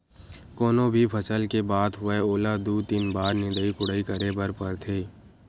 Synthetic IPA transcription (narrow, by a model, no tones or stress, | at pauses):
kɔːnõbʱipʰət͡ʃəlkebaːd̪ɦʊʋeoːlad̪uːt̪iːnbaːɾnɪ̃nd̪əikʊɽːikəɾebəɾpəɾt̪ʰeː